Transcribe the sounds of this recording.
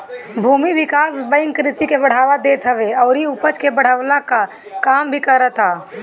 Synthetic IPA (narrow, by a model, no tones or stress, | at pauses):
bʱuːmiʋɪkaːsbə̃ɪŋkɾɪsikebəɽ̤aːʋad̪eːt̪ɦəʋeɔːɾiʊpət͡ʃkebəɽ̤əʋlaka | kaːmbʱikəɾət̪aː